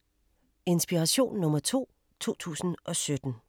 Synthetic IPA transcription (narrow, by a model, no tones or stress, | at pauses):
e̝nsb̥iʁɑɕo̝̰ːnːɔ̽mɐt͡sʰo̝̰ː | t͡sʰo̝̰ːt͡sʰṵːsn̩ʔɒ̽sød̥n̩